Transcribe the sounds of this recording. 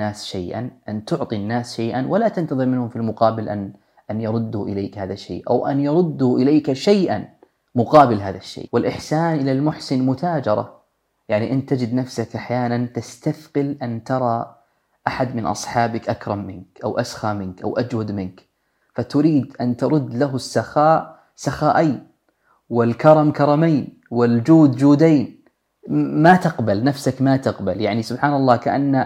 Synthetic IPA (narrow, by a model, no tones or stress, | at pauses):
aːsʃajʔa̰nʔant̪ʊʕt̪ˤinːaːsʃajʔanwalat̪ant̪ɑðˤɨɾmɪnhʊmfilmʊqɑːbɪlʔan | ʔanjɑɾˤʊd̪ːʊʔɪlaːkhaːðaʃːḛːʔa̰wʔa̰njɑɾˤʊd̪ːʊʔɪlaːkaʃajʔan | mʊqɑːbɪlɦaːðaʃːḛːʔwɪlʔɪħsaːnʔɪlalmʊħsɪnmʊt̪ʰaːd͡ʒɑɾˤɑ̰ | jaʕniʔɪnt̪ːad͡ʒɪd̪nafsakʔaħjaːnant̪ast̪aθqɪlʔant̪ɑɾˤɑ | ʔaħad̪mɪnʔɑ̰sˤħɑːbɪkʔakɾˤɑmːɪnkʔa̰wʔasxaːmɪnkʔa̰wʔad͡ʒwad̪mɪnk | fat̪ʊɾiːd̪ʔant̪ɑɾˤʊd̪ːlaɦʊsːaxaːʔ | saxaːʔaːn | wɪlkɑɾˤɑmkɑɾˤɑmaːn | wɪld͡ʒuːd̪d͡ʒuːd̪aːn | mat̪ɪqbalnafsakmat̪ɪqbaljaʕnisʊbħaːnɑlˤːɑːkaʔanːa